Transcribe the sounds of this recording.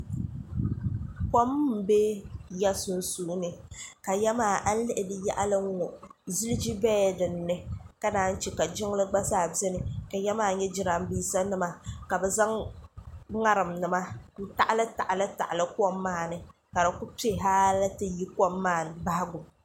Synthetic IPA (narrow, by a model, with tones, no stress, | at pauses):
kɔ˦m˦m̩˨be˦ja˦sʊ˨n˦suː˦nɨ˨ka˨jɛ˦maː˦˨ʔa˦n̩˦lɨ˦ʔɪ˨dɨ˨ja̰˦ʔa˦lɨ˦ŋ˦ŋɔ˨ | zi˦lɨ˦d͡ʒi˦bɛː˦˨dɨ˨nː˦ɨ˦ka˦naː˦n̩˦t͡ʃɛ˨ka˨d͡ʒɪ˦ŋ˦lɨ˦ɡ͡ba˦saː˦˨bɛ˦nɨ˨ka˨jɛ˦maː˦˨ɲɛ˦d͡ʒɪ˦ɾa˨m˦biː˦sa˦nɨ˦ma˦ka˨bɛ˨za˦ŋ | ŋa˦ɾɨ˨mnɨ˨ma˦n̩˦ta˨ʔa˦lɨ˦ta̰˨ʔa˨lɨ˦ta̰˨ʔa˨lɨ˦kɔ˦mːaː˦˨nɨ˨ka˨dɨ˨ku˦pe˦˨ɦaː˦la˦tɨ˦ji˦kɔ˦mːaː˦˨n˨ba˦ha˦ɡʊ˨m